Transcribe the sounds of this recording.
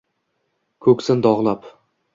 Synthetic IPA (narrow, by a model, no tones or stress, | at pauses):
kʲʰɵkʲsɪnd̪ɒʁlˠap